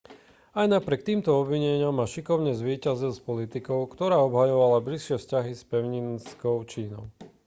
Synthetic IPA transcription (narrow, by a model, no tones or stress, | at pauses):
ajnapɾʲɪɛk̚t̪iːmt̪ɔɔbʋiɲɛɲɪamːaʃikɔʊɲɛzʋiːcazilˠspɔlit̪ikɔʊkt̪ɔɾaːɔbɦajɔʋalablisʃɪɛfscaɦispɛʊɲinskɔʊt͡ʃiːnɔ̰ʊ